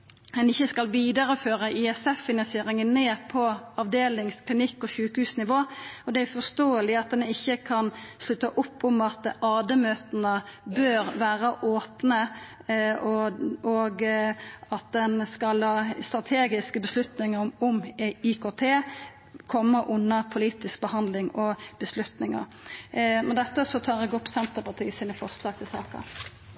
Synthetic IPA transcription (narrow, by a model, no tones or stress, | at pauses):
d̪ɛnɪçːəskɑlʋiːd̪əɾəføːʁəʔɪɛsɛfːɪnɑnsɪeːɾɪŋənːeːpʰɔɑʋd̪eːlɪŋskʰlɪnɪkːɔɕʉːkəhʉːsnɪʋoːɔd̪ɛæʊfɔst̪oːəlɪɑt̪̚d̪ɛnɪçːəkʰɑnslʉt̪ːəʔʊpːʊmɑt̪ʔɑːd̪əmøːt̪ənəbøːɾʋæːɾəʔoːpnə | ɔɔɡ | ɑt̪̚d̪ɛnskɑlhɑːst̪ɾɑt̪ʰeːɡɪskəbəslʉt̪nɪŋəɾɔmʊmɪkʰoːt̪ʰeː | kʰɔmːəʔʊnːəɾpʰʊliːt̪ɪsk̚bəhɑnd̪lɪŋɔb̥əslʉt̪nɪŋə̰ɾ | mɛnd̪ɛt̪ːəsɔt̪ʰɑːɾɛɡɔpʰːsɛnt̪əpɑt̪ʰiːəsiːnəfɔɾslɑːɡ̚t̪ʰɪlsɑ̰ːkɑ̰